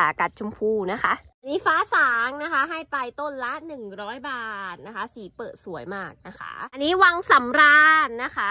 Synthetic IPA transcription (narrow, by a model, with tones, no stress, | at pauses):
a˨˩ka˨˩t̪̚t͡ɕʰu˧mpʰuː˧na˦˥kʰa˦˥ʔa˧nːiː˦˥faː˦˥saː˩˦ŋna˦˥kʰa˦˥ɦa˥˩jpa˧jt̪o˥˩nla˦˥nɯ˨˩ŋɾɔː˦˥jbaː˨˩t̪̚na˦˥kʰa˦˥siː˨˩˦pɤː˨˩t̪̚su˩˦əjmaː˥˩k̚na˦˥kʰa̰˦˥ʔa˧nːiː˦˥wa˧ŋsa˨˩˦mɾaː˧nːa˦˥kʰa˦˥